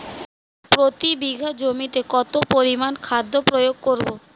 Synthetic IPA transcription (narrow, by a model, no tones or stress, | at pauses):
pɾot̪ibiɡʱad͡ʑomit̪ekɔt̪opoɾimankʰad̪ʱːopɾojoɡ̚koɾbo